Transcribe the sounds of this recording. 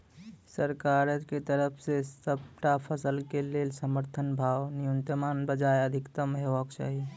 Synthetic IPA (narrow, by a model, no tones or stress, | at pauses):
səɾkaɾəket̪əɾəpʰsesəbʈapʰəsəlkelelsəməɾt̪ʰənbʱawnijunt̪jəmanbəd͡ʒaeəd̪ʱikt̪əmɦebəkt͡ʃa̰ɦi